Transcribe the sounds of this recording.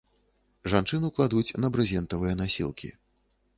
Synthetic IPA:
ʐant͡ʂɨnɨklˠad̪ut͡sʲnɐbɾɨzʲɛnt̪ɐvɨjɛnasʲḭlˠkʲḭ

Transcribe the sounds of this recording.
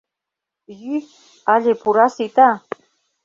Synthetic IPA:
jy | aʎepuɾasit̪a

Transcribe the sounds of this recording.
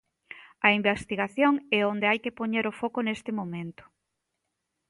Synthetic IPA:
ɐimbest̪iɣaθjoŋɛond̪eajkepoɲeɾofokʊnest̪ɪmomẽnt̪ʊ̥

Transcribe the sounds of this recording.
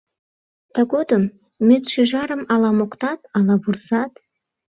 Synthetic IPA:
t̪ɑɡod̪əmː | et̪ʃiʒɑɾə̆mɑlɑmoqt̪ɑt̪ɑlɑburzɑt̪

